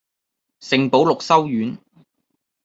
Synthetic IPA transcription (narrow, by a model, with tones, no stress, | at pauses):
sɪ˨ŋpo˨˥wlʊ˨k̚sɐ˥wjyː˨˥n